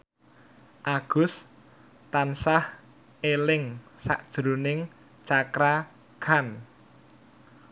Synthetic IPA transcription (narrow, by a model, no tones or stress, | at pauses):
ʔaɡ̥ʊ̤s | t̪ansah | elɪŋsa̰ʔd̥ʒ̥ɾo̤nɪŋ | t͡ʃakɾa | kʰan